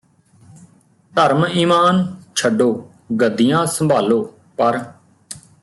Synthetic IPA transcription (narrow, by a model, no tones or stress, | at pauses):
t̪əɾmiːmaːnt͡ʃʰəɖoː | ɡəd̪ijãːsəmbʱaːloː | pəɾ